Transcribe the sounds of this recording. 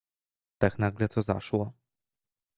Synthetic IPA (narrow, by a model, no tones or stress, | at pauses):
t̪aknaɡlɛt̪sɔza̰ʂwɔ